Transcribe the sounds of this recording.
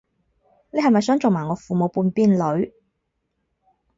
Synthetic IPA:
ne˨jɦɐ˨jmɐ˨jsœː˨˥ŋt͡so˨wmaː˨˩ŋɔː˨˧fuː˨mo˨˧wpuː˧npiː˥nlɵ˨˥ɥ

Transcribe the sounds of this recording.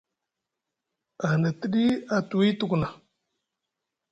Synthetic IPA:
a˨na˨ti˦ɗi˦a˨tu˨i˦tu˦˨kna˨

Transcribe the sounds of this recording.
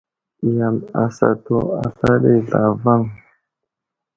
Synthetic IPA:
ja˨ma˨sa̰˨to˦a˨ɬa˦ɗe˦ɮa˨va˦˨ŋ

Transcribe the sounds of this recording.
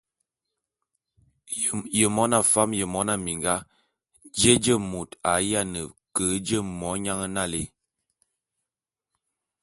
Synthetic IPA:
jə˨mɔ˦na˦fa˦mjə˨mɔ˦na˦mi˨ŋɡa˦ | d͡ʒe˦d͡ʒə˦˨mo˨ta˨ja˦˨nə˨kə˨˦d͡ʒə˦˨mɔ˨˦ɲa˦ŋə˦na˦˨lḛ˦

